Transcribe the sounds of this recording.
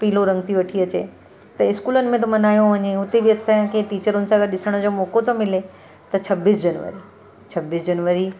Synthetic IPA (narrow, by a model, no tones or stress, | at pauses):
piːloɾɐ̃ŋɡt̪ʰiʋɐʈʰiɐt͡ɕḛ | t̪ɐɪskuːlənɪ̆mẽt̪̬omɐnaːjõʋɐɲeʊt̪ebɪɐsãkʰeʈiːt͡ɕəɾʊnɪ̆sãɐɡəɾɗɪsəɽ̃ə̆d͡ʑoːmoːkot̪õmɪle | t̪ɐt͡ɕʰɐbiːsd͡ʑɐnʋə̰ɾi | t͡ɕʰɐbiːsd͡ʑɐnʋəɾi